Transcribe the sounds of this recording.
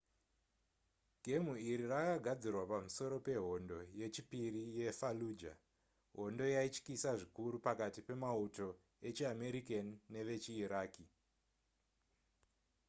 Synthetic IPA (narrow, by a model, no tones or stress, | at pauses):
ɡʱe̞muiɾirakaɡʱad͡zirwapamuso̞ɾo̞pe̞ɦo̞ndo̞je̞t͡ʃipirije̞faluːd͡ʒa̰ | ɦo̞ndo̞jait͡ʃkisaʐikuɾupakatipe̞mauto̞ | e̞t͡ʃiame̞ɾikanːe̞ʋe̞t͡ʃiːɾaːki